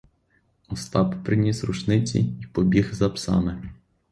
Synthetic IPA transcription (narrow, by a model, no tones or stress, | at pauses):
ɔst̪ɑppɾɪnʲisrṵt͡ʃnɪt͡sʲḭipɔbʲiɣzɐpsɑ̰mɛ